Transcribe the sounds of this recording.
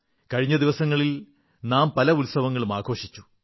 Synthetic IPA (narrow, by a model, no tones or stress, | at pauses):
kɐɻiɲːɐd̪iʋɐsɐŋːɐɭil | naːmpɐlɐulsɐʋɐŋːɐɭumaːɡo̞ːʂi̥t͡ɕːu̥